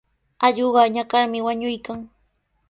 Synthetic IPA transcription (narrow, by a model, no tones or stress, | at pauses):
aʎoɢɑɲakaɾmɪwaɲʊjkaŋ